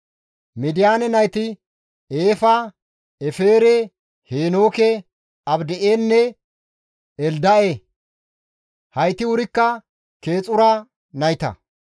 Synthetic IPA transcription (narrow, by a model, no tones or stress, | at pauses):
mɪd̪ɪjaːnɛnɐjt̪ɪ | eːfɐ | ɛfeːɾɛ | heːno̞ːkɛ | ɐbd̪ɛʔeːnːɛ | ɛld̪ɐʔe | hɐjt̪ɪwʊɾɪkːɐ | ke̞ːt͡sʼʊɾɐ | nɐjt̪ɐ̰